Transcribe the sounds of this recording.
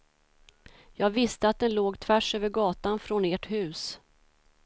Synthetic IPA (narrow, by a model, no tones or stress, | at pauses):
jɑːɡvɪst̪əat̪̚d̪ɛnloːɡt̪ʰvæʂøːvəɾɡɑːt̪anfɾɔneːʈhʉ̟ːs